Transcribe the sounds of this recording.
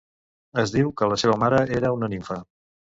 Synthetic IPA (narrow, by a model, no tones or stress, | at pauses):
əzðiwkələseβ̞əmaɾəeɾəunəniɱfə